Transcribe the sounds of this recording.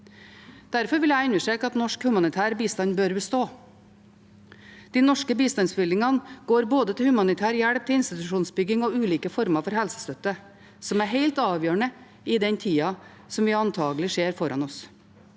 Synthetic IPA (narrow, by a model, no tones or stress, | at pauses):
d̪̥æɾfɔɾʋɪljæɪɪnəʂʈɾeːkəɑt̪nɔʂkhʉmɑnɪt̪ʰæːɾbiːst̪ɑnbøːɾbəst̪oː | d̪̥iːnɔʂkəbiːst̪ɑnsbɪld̪ɪŋɑnɡ̥oːɾboːd̪ət̪ʰɪlhʉmɑnɪt̪ʰæːɾjæɽp̚t̪ʰɪɪnst̪ɪt̪ʉʂuːnsbʏɡɪŋɔʉːliːkəfɔɾmɑfɔɾhɛlsə̥st̪œt̪ːə | sɔmæɾɦeɪlt̪ɑːʋjøːɳə | ɪd̪ɛɲt̪ʰiːɑ | sɔmʋɪɑnt̪ʰɑːɡlɪʂeːɾfɔɾʔɑnɔs